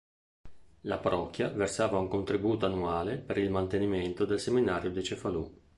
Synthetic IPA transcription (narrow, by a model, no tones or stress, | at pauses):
la̰paɾʔɔkːjaversaːvauŋkont̪ɾibuːt̪oanːuaːlepeɾilmant̪eniment̪od̪elseminaːɾjod̪it͡ʃefalṵ